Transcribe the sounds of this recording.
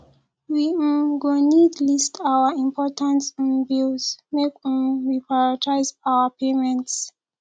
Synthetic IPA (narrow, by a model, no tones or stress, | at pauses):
wĩɡonidlistʰawəĩmpʰɔtãnsĩnbilzmek̩wipɹaatʰaɪzawəpʰemɛ̃nts